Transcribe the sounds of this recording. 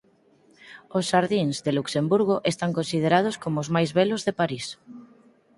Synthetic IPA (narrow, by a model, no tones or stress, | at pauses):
osʃaɾðiŋzðeluksembuɾɣ̞oʔest̪aŋkonsið̞eɾað̞oskomoʊzmajzβɛlʊzðepaɾis